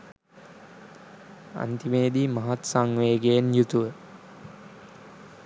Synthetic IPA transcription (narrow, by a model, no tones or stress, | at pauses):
a̰nt̪imeːd̪imɐɦat̪saŋʋeːɡenjut̪uʋə